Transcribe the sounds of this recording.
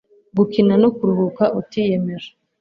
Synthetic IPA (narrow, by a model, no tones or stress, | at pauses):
ɡukinanokuɾuhukaʔutijemeɾa